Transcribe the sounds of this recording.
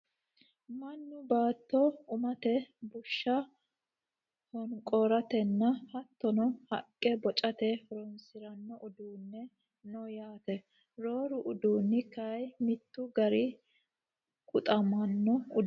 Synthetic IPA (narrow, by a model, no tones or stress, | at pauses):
mɐnːʊbaːt̪ːɔʊmɐt̪ɛbʊʃːɐ | hɔŋkʼɔɾɐt̪ɛnːɐhɐt̪ːɔnɔhɐ̰kʼːɛbɔt͡ʃʼɐt̪ɛɾɔnsɪɾɐnːɔʔʊd̪uːnːɛ | nɔjaːt̪ɛ | ɾoːɾʊʔʊd̪uːnːɪkɐjmɪt̪ːʊɡɐɾɪ | kʼʊt̪ʼɐmɐnːɔʊ